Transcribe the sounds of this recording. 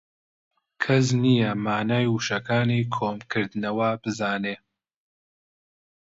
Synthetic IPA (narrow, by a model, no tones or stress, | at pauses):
kʰɐs̬nijɐmaːnaːjwuʃɐkʰaːnikʰoːmkʰɨɾd̪ɨnɐwɐbɨzaːneː